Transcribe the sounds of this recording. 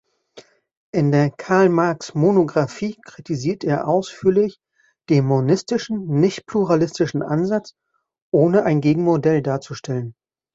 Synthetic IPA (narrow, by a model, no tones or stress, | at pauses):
ʔɪndeːɐkʰaɐlmaɐksmonoɡʁafiːkʁ̥itʰiziːɐteːɐʔaʊsfyːɐlɪç | d̥eːnmmonɪstɪʃn̩nɪçtpluʁalɪstɪʃn̩ʔa̰nzat͡s | ʔoːnəʔaɪnɡeːɡŋ̩modɛldaːɐt͡suʃtʰɛlən